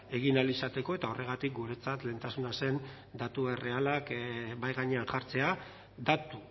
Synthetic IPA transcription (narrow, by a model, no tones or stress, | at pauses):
e̞ɣ̞inalisat̪e̞ko̞e̞t̪ao̞re̞ɣ̞at̪ik̚ɡuɾe̞t͡sat̪le̞ːnt̪asunase̞n | d̪at̪ue̞re̞alakbajɣaɲe̞anʝaɾt͡se̞a | d̪at̪u